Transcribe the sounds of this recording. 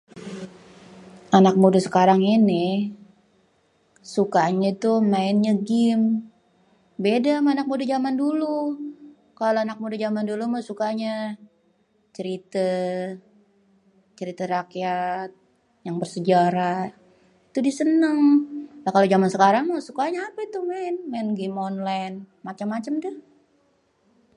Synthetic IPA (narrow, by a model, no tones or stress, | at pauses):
anak̚mudasə̥kaɾaŋinɪ | sukaɲait̪umaɪnɲaɡɪm | bedamaanak̚mudad͡ʒamandulu | kaloanak̚mudad͡ʒamandulumasukaɲa | t͡ʃəɾit̪a | t͡ʃəɾit̪aɾakijat̪̚ | jaŋbərsəd͡ʒaɾa | it̪udisənəŋlakalod͡ʒamansəkaɾaŋmasukaɲaːpait̪umaɪnmaɪnɡɪmonlajn | mat͡ʃamːat͡ʃamdʊh